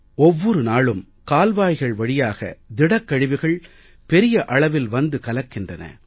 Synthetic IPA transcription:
ɔʋːɔɾɯnaːɭɯm | kaːlʋaːjɣɐɭʋɐɽɪjaːɣɐ̰d̪ɪɽɐkːɐɻɪʋɪɣɐɭ | pɛɾɪjɐʔɐɭɐʋɪlʋɐnd̪ɯkɐlɐkːɪndrɐnɐ̰

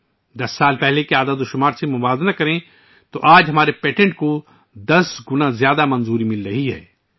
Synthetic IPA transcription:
d̪ɐsːaːlpɛɦlekeaːd̪ad̪oʃʊmaːɾsemʊbaːznakɐɾẽ | t̪oʔaːd͡ʒɦɐmaːɾepeːʈẽɳʈko | d̪ɐsɡʊnazjaːd̪amɐ̃nzuːɾimɪlɾɐɦiɦɛ̰ː

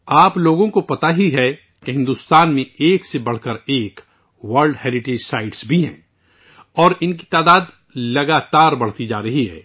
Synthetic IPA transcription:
aːploːɡõkopɐt̪aɦiɦɛ | keɦɪ̃nd̪ust̪aːnmẽeːksebɐɽ̤kəɾeːk | wɐɾlɖhɛːlɪʈeːd͡ʒsaːɪɖsbʱiɦɛ̰̃ː | ɔːɾɪnki̥t̪aːd̪aːd̪ | lɐɡaːt̪aːɾbɐɽ̤t̪id͡ʒa̰ːɾɐɦiɦɛː

